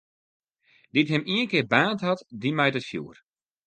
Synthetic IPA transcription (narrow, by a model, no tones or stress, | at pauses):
ditɦɪmiənkɪːrbaːntɦɔtdimɛjtəfjṵːər